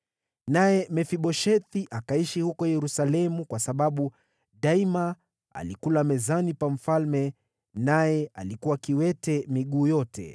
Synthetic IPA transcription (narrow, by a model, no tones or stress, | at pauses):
najɛmɛfiɓɔʃɛθiʔakaiʃihukɔjɛɾusalɛmukwasaɓaɓu | ɗaima | a̰likulamɛzanipam̩falmɛ | najɛa̰likuwakiwɛtɛmiɠuːjɔtɛ̰